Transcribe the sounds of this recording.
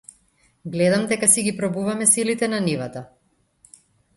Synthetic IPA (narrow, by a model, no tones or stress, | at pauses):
ɡlɛd̪amd̪ɛkasiɡipɾɔbuvamɛsilit̪ɛnanivat̪a